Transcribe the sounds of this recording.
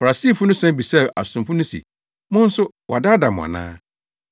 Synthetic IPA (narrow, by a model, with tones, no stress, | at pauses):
fa˨ɾa˨siː˦˨fʊ˦nʊ̃˦sɛ̃˦m˦bi˨sɛ˦˨ʔa̰˨sʊ̃˨mfʊ˦nʊ̃˦sḭ˨ | mʊ̃˦n̩˦sʊ˦ | wʔɔ˨da˦da˨mʊ̰̃˨a̰˨nã̰ː˦